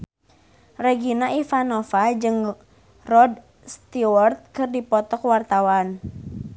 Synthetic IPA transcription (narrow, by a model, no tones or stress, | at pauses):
reɡinaʔifanofad͡ʒɨŋ | rɔd | st̪iwart̪̚kɨrdipɔt̪ɔkwart̪awan